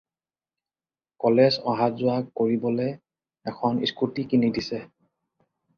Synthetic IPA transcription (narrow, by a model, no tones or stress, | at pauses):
kɔlezɔɦatzʊakːoɹibɔlɛ | ɛkʰɔnḭskutikinidisɛ